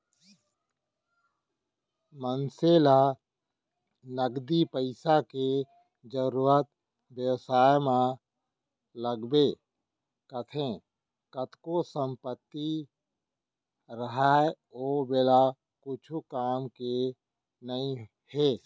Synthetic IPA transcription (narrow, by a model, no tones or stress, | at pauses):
mənseːla | nəɡd̪ipəɪsake | d͡ʒəɾuɾət̪̚ | bjəwsaːjmã | ləɡbe | kət̪ʰẽ | kət̪ʰkosə̃mpət̪ːi | ɾəɦaː | oːbela | kʊt͡ʃʰukaːmke | nəĩ | heː